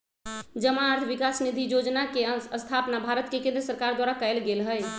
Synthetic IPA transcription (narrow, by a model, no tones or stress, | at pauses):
d͡ʒəmaːɾt̪ʰʋikasnid̪ʱijod͡ʒnakeəst̪ʰapnabʱaɾət̪kekẽnd̪ɾəsəɾkaɾd̪waɾakəjlɡelɦəj